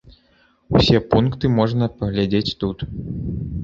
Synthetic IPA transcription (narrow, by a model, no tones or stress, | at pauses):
wsʲɛpunkt̪ɨmɔʐnɐpɐɣlʲad͡zʲet͡sʲt̪ut̪